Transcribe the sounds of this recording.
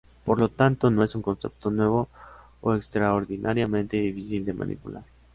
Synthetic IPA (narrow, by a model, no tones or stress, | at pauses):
po̞ɾlo̞t̪ant̪o̞no̞e̞suŋko̞nse̞̰p̚t̪o̞nwe̞β̞o̞ | oekst̪ɾaoɾðinʔaɾjamẽ̞nt̪eðifisild̪e̞ma̰nḭpulaɾ